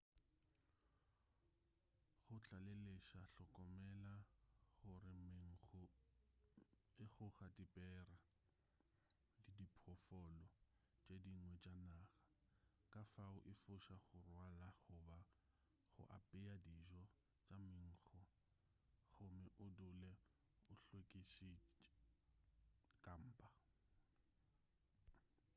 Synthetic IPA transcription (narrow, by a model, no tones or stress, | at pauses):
χʊt͡ɬʼaleleʃaɬɔkʼɔmɛlaɣʊrɪmɪŋ̩χɔ | ɪχʊɣadipʼɛːra | lɪdipʰɔfɔlɔ | t͡ʃʼediŋwɛt͡ʃʼanaɣḁ | kʼafaʊʔɪfʊʃaɣʊrwalaχʊba | χʊ̰ʔa̰pʼɪadiʒɔ | t͡ʃʼamɪŋ̩ːχɔ | χʊmɪʔʊdʊlɛ | ʊɬwekʼiʃi | kʼam̩ːpʼa